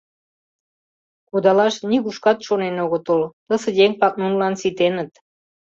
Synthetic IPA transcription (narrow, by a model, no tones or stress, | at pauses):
kud̪ɑlɑʃniɣuʃkɑt̪ʃonenoɣot̪əlt̪ə̆sə̆jeŋpɑk̚nunlɑnsit̪enə̆t̪